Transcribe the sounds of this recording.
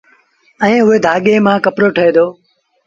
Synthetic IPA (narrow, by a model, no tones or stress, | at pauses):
ɛ̃ːɦʊɦeːd̪ʱaːɠeːmãːkəpɾoːʈʰəɦeːd̪oː